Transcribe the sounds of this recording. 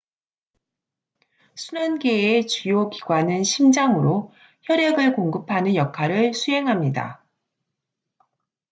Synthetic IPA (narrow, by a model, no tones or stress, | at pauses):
sʰunʌnɡeːt͡ɕujokiɡwanɯnɕʰimd͡ʑaŋɯɾo | çjʌɾeɡɯɭkoŋɡɯpʰanɯnjʌkʰaɾɯɭsʰuɦe̞ŋɦamɲida̰